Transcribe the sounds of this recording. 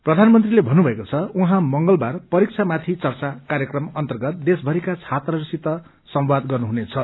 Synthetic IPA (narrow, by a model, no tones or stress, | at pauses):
prʌd̪ʱanmʌnt̪rilebʱʌnːubʱʌekot͡sʰʌuɦãmʌŋɡʌlbarpʌɾik̚t͡sʰamat̪ʰit͡sʌrt͡sakaɾjʌkrʌmʌnt̪ʌrɡʌt̪̚d̪esbʱʌɾikat͡sʰat̪rʌɾisit̪ːʌ | sʌmwad̪ɡʌrnuɦunet͡sʰʌ